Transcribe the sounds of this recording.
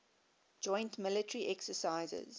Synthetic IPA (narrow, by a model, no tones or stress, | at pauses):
d͡ʒɔ̃ɪ̃ntmɪlətəɹiʔɛksəsaɪzə̰z̥